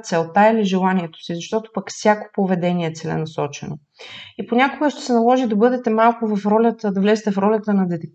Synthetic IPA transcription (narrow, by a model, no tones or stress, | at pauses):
t̪sɛlˠt̪ailiʒɛlˠaniɛt̪o̥sizɐʃt̪ɔt̪o̥pəkfsʲjako̥povɛd̪ɛniɛt̪sɛlɛ̰nɐsɔt͡ʃɛ̰no̰ | iponʲakoɡəʃt̪ɛ̥sɛnɐlˠɔʒid̪ɐbɤd̪ɛt̪ɛmalˠkʊvɐfɾɔlʲət̪əd̪ɐvlɛzɛt̪ɛfɾɔlʲət̪ənɐd̪ɛd̪ɛ